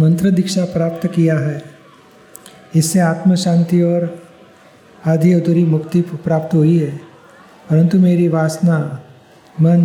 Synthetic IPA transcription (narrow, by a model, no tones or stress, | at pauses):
mɐ̃nt̪ɾəd̪ɪkʃapɾaːpt̪kijaɦɛː | ɪsːeaːt̪məʃãːnt̪iɔːɾ | aːd̪ʱiʊd̪ɾimʊkt̪ipɾaːpt̪ɦoːiɦɛː | pɐɾə̃nt̪umeːɾiʋaːsna | mən